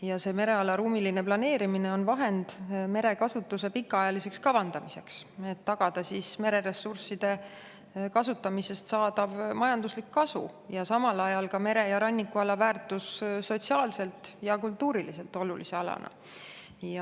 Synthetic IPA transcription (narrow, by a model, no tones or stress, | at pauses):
jɑse̞ːme̞ɾe̞ɑlɑɾuːmiline̞plɑne̞ːɾimine̞o̞nvɑɦe̞nd̪̥me̞ɾe̞kɑsut̪ːˑuse̞pikːˑɑɑjɑlise̞kskɑvɑnd̪̥ɑmise̞kse̞t̪ːɑɡ̥ɑd̪̥ɑsisme̞ɾe̞ɾe̞sːursid̪̥e̞ | kɑsut̪ːˑɑmise̞st̪sɑːd̪̥ɑvmɑjɑnd̪uslikːɑsṵjɑsɑmɑlɑjɑlkɑme̞ɾe̞jɑɾɑnʲːikːuɑlɑvæːrt̪ːˑussot̪siɑːlse̞lt̪ˑjɑkult̪ːuːɾilise̞lt̪ːˑo̞lulise̞ɑlɑ̰nɑ̰ | jɑ